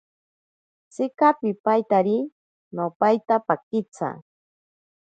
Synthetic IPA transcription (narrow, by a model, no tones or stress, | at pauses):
t͡sɪkapɪpajt̪aɾi | nopajt̪apakɪt͡sa̰